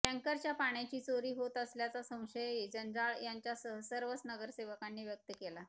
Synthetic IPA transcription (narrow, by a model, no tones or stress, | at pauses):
ʈæ̃ŋkəɾt͡ɕjapaɳ̃jat͡ɕiːt͡soɾiːɦot̪əsljat͡sasə̃w̃ɕəed͡ʑənd͡zaɭjaɲt͡ɕjasəsəɾʋəsnəɡəɾseʋəkanːiːʋjək̚t̪əkela